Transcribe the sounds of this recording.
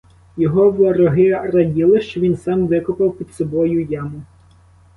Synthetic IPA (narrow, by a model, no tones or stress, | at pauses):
jɔɦɔʋɔɾɔɦɪrɐdʲilˠɪʃt͡ʃɔʋʲinsɑmʋɪkʊpɐwpʲid̪sɔbɔjʊjamʊ